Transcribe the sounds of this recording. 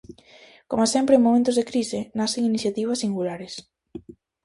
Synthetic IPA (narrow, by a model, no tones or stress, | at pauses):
komasɛmpɾeŋmːomẽnt̪ʊzðekɾisɪnaseŋiniθjat̪iβ̞ɐsːiŋɡulaɾes